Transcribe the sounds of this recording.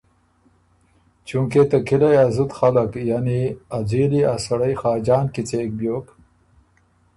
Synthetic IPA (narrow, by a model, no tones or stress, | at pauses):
t͡ʃuŋket̪ɐkilajazut̪xalakjaniad͡ziliasɐɽajxɑːd͡ʑɑːnkit͡seːk̚bjoːk